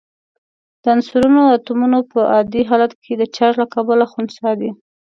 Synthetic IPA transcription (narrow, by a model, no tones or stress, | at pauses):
d̪̥əansuɾunoat̪umunopəʔɑd̪iɦɑlat̪kʰed̪ət͡ʃaɾlakɑbalaxunsɑd̪i